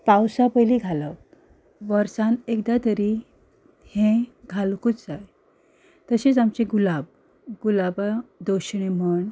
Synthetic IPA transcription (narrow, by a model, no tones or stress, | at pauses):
pawsapəjliɡʱaləp̚ | ʋəɾsãnekd̪at̪əɾi | hẽɡʱalkut͡sd͡zaj | t̪əset͡samt͡ɕeɡulab | ɡulabad̪oɕɳ̃em̤əɳ